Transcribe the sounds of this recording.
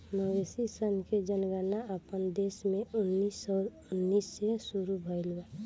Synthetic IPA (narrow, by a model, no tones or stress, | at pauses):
məʋesisənked͡ʒənɡənaəpənd̪eːsmẽʊnːisɔːɾʊnːisːesuɾubʱəɪlwa